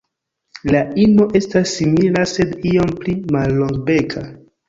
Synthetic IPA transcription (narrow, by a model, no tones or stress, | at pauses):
laimo̞ʔe̞stasːimilase̞dio̞mplimalːoŋɡbekʰa